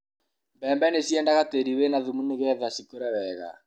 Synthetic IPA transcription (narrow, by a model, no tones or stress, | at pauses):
mbɛːmbɛnesiɛndaɣateɾiwenaðumuneɣɛðasikoɾɛwɛɣa̰